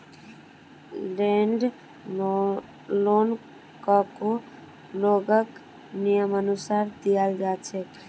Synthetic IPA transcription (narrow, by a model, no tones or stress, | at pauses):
leɳɖ | lon | kɔko | loɡək | nijəmənusaɾd̪ijald͡ʒat͡ʃʰɛ